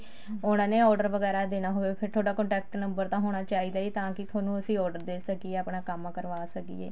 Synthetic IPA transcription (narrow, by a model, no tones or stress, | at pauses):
ʊnãːneːɔːɾɖəɾʋəɡɛːɾaːd̪eːnaːɦoːʋeːpʰɪɾt̪ʰoːɖaːkə̃ɳʈɛːk̚ʈnəmbəɾt̪ãːɦoːɽ̃aːt͡ʃaːiːd̪aːd͡ʒiːt̪ãːkɪt̪ʰaːnũːəsĩːɔːɾɖəɾd̪eːsəkieːəpɳaːkəmːãkəɾʋaːsəkḭḛː